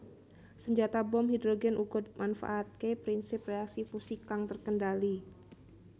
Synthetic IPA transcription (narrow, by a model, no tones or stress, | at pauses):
səɲd͡ʒat̪abɔmhidɾoɡɛnʔuɡɔd̪̚manfa̰ʔːt̪̚kepɾinsɪpreaksipusikaŋt̪ərkəndali